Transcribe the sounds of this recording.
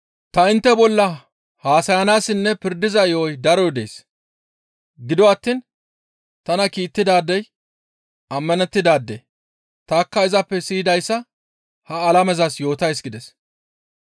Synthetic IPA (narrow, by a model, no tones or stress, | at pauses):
t̪ɐɪnt̪ːɛbɔlːɐ | haːsɐjɐnaːsɪnːɛpɪɾd̪ɪzɐɔjd̪ɐɾɔjd̪e̞̰ːs | ɡɪd̪ɔɐt̪ːiːn | t̪ɐnɐkiːt̪ːɪd̪aːd̪ːɛj | ɐmːɐnɛt̪ːɪd̪aːd̪ːḛ | t̪aːkːɐɪzɐpːɛsiːd̪ɐjsːɐ | hɐːlɐmɛzɐsjo̞ːt̪ɐjsɡɪd̪ɛs